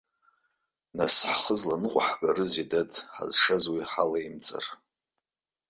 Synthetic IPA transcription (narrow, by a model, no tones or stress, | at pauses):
nasħχəzlanɨqʷʼaħɡarɨzidadʰʼħa̰zʂazwiħalaimt͡sʼa̰r